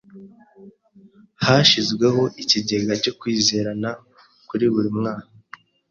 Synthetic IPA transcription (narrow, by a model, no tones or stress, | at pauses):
haʃizɡwe̞ɦo̞ʔiciɟe̞ɡaco̞kwiːze̞ːɾana | kuɾiβuɾimŋaːka